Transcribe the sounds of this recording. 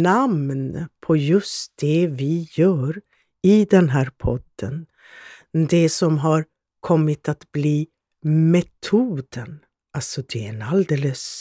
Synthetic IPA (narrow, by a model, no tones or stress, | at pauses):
namnpʰɔjɵst̪̚d̪̥ɛvɪjœːɾ | ɪd̪ɛnɦæːɾpʰɔd̪̥ən | d̪ɛsɔmɦaɾ | kʰɔmːɪt̪at̪bliː | mɛt̪ʰuːd̪ən | alsɔd̪ɛɛnald̪eːləs